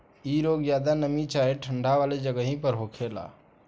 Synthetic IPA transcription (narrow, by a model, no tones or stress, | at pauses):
iːɾoːɡjaːd̪anəmĩt͡ʃaːɦeʈʰəɳɖʱaʋaːled͡ʒəɡəɦĩpəɾɦoːkʰeːla̰ː